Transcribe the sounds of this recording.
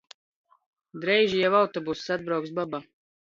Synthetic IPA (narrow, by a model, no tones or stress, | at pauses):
d̪ɾɛjʒijɛvawt̪ɔbusi̥sad̪̚bɾawksbaba